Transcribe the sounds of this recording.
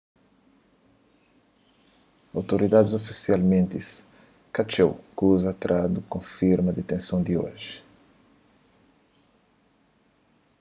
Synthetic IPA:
awt̪oɾid̪ad̪ɪzofisialmẽnt̪ɪs | kat͡ʃewkuzat̪ɾʔad̪ukõfiɾmɐd̪et̪ẽsɐ̃w̃d̪io̰ʒɪ

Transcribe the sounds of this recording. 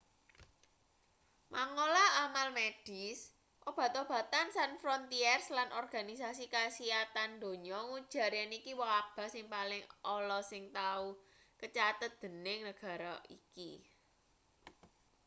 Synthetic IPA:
mʔaŋolaamalmed̥is | ʔob̥ä̤t̪ɔb̥ä̤t̪ansanfɾɔnt̪iɛrslanʔɔrɡ̥a̤nisasikasiat̪and̪o̤ɲɔŋud̥ʒ̥a̤ɾjanikiwɔab̥a̤sɪŋpalɪŋɔlɔsɪŋt̪au | kət͡ʃat̪ət̪̚d̪̥ə̤nɪŋnəɡ̥ä̤ɾaʔḭki

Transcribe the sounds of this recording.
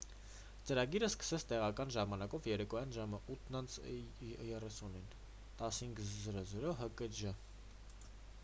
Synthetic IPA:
t͡səɾɑɡiɾəskə̥sɛt͡sʰt̪ɛʁɑkɑnʒɑmɑnɑkɔvjɛɾɛkɔjɑnʒɑməʔut̪ʰnɑnt͡sʰjɛrɛsunin | t̪ɑshiŋɡzəɾɔzəɾɔɦəkəd͡ʒə

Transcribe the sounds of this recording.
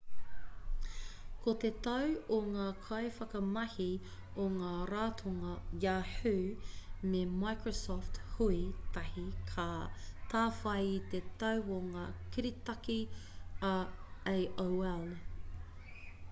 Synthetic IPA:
kʰot̪et̪ɐwoŋaːkʰɐefɐkɐmɐhi | oŋaːɾaːt̪ʰoŋɐjaːħʉːmemajkɹosɔfthuit̪ɐhikʰat̪ʰaːfɐjit̪et̪ɐwoŋaːkiɾit̪ɐki | ɐejʔowɛl

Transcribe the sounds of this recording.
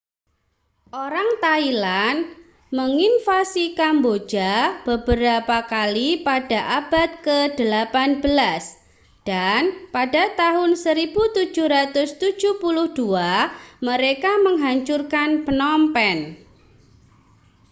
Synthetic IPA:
ʔoɾaŋt̪ailan | məŋinfasikambo̥d͡ʒab̥əbəɾapakalipadaʔab̥at̪̚kəd̥əlapanb̥əlas | d̥anpadat̪aɦʊnsəɾibut̪u̥d͡ʒuɾat̪ʊst̪u̥ʒ̥uhpulʊhd̥uaməɾekaməŋɦaɲt͡ʃurkanpənɔmpɛn

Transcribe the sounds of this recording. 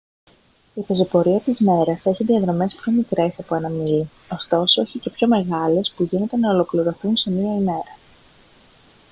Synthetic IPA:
ife̞zo̞po̞ɾiɐt̪izme̞ɾɐse̞çiðiɐðɾo̞me̞spço̞mikɾe̞sɐpo̞e̞nɐmili | o̞st̪o̞soeçice̞pço̞me̞ɣɐle̞spuʝine̞t̪e̞nɐolo̞kliɾo̞θunse̞miɐime̞ɾɐ

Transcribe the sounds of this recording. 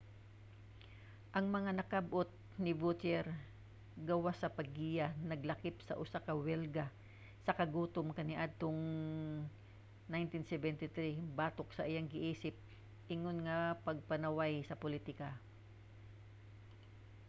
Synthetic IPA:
ʔɐŋmɐŋanɐkabʔot̪̚ | nɪbut̪ɛɾ | ɡɐwasɐpɐɡiːjanɐɡlɐkɪpsɐ̰ʔʊsakɐwɛlɡa | sɐkɐɡuːt̪omkɐnɪʔad̪̚t̪oŋ | najnt̪ɪnsɛbɛnt̪ɪt̪ɾibaːt̪ok̚sɐʔɪjaŋɡɪʔiːsɪp̚ | ʔɪŋonŋɐpɐɡ̚pɐnɐwajsɐpʊlit̪ɪka

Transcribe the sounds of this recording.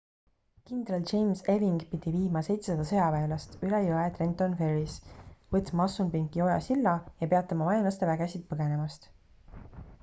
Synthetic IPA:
kind̪̥ɾɑlt͡ʃe̞jmse̞viŋɡ̥pid̪̥iviːmɑse̞jt̪sesɑd̪ɑsɤ̞jɑpeːlɑst̪ylejoet̪ɾe̞nt̪ːˑonfe̞risvɤt̪ːˑmɑɑsːumpiŋɡio̞jɑ̰silːɑjɑpe̞ɑt̪ːˑɑmɑmɑjɑnlɑst̪e̞væɡ̥esid̪̥̚pɤɡ̥e̞ne̞mɑst̪

